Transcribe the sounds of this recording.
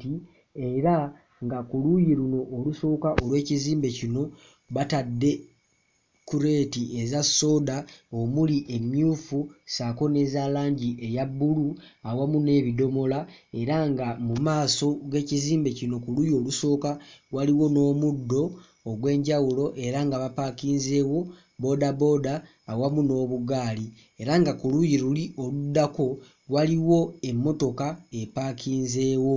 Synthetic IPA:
ti | e̞ɾa | ŋɡakulujiluno̞ʔːluso̞ːkaʔolwe̞ːciziːmbe̞cino̞ | βatadːe̞ | kuɾe̞ːtiezasːo̞ːdaomuliʔe̞mjuːfusako̞ne̞zaːlaːɲɟiʔe̞jaβːuluawamune̞ːβido̞mo̞lae̞ɾaŋɡamumaːso̞ɡe̞ːciziːmbe̞cino̞kulujo̞ːluso̞ːkawaliwo̞no̞ːmudːo̞ː | ɡwe̞ːɲɟawulo̞ʔe̞ɾaŋɡaβapaːkiːnze̞ːwo̞ | bo̞dabo̞ːdaː | wamuno̞ːβuɡaːli | e̞ɾaŋɡakulujiɾulio̞ludːako̞ | waliwo̞e̞mːo̞to̞kaepaːkiːnze̞ːwo̞

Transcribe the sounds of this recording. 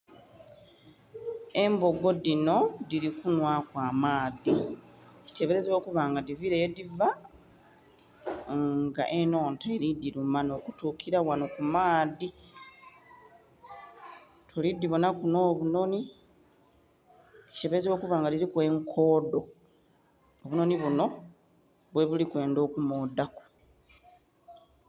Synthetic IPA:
e̞mbo̞ɡo̞dino̞diɾikunwakwaːmaːði | ci̥te̞βe̞ɾe̞zeβo̞ːkuβaŋɡadiviɾejodiva | ŋɡa̰ʔe̞no̞ːntaeɾidːiɾumano̞ːkutuːkʰiɾawano̞kumaːði | tʰolid̪ːiβonakuno̞ːβuno̞ni | cte̞βe̞ɾezeβo̞ːkuβaːŋɡadiɾikwe̞ŋkʰo̞ːdo̞ | oβuno̞niβuno̞ | βwe̞βulikwe̞ːndo̞ːkumoːdaku̥

